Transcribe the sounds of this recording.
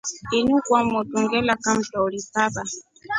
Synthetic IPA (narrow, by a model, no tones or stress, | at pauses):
inukwamɔtuŋɡɛlakam̩tɔɔlipaba